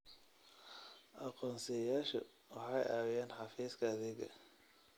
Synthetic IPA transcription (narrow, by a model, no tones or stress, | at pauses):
ʔɑqɔːnsɛjaːʃɐ̰ | wɑħɑjaːwjaːnħɑfiːskʰɐːðɛɡɐ̰